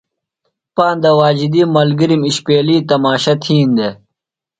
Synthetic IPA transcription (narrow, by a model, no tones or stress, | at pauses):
paːnd̪ɐwaːd͡ʑid̪imɐlɡiɾimiɕpeːliːt̪ɐmaːɕɐt̪ʰiːnd̪e